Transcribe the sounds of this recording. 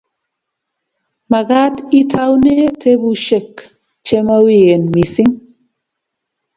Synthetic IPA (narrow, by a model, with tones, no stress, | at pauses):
ma˨ɡa˦ti˦tʰa˦wne˦tʰe˦bu˦ʃe˦˨k | t͡ʃe˦ma˦we˨e˨nmi˨si˦ŋ